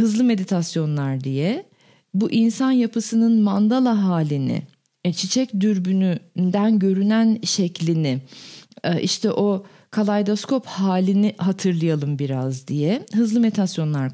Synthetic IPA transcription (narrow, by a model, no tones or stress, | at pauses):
hɯzlˠɯme̞d̪it̪ʰasjo̞nlˠaɾd̪ijɛ | buʔinsanjapɯsɯnɯnmand̪alˠaɦaːlʲinɪ̰ | t͡ʃʰit͡ʃʰɛcd̪yɾbynynd̪ænɟø̞ɾynænʃɛclʲinɪ | ʔiʃt̪ʰɛʔo̞ | kʰalˠajd̪oskʰo̞phaːlʲiniɦat̪ʰɯɾlˠɯjalˠɯmbiɾazd̪ijɛɦɯzlˠɯme̞d̪it̪ʰasjo̞nlˠaɾ